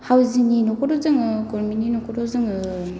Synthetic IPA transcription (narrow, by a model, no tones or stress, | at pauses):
hawzininɔkɔɾɔzɯŋɯkɔɾmininɔkɔɾɔzɯŋɯ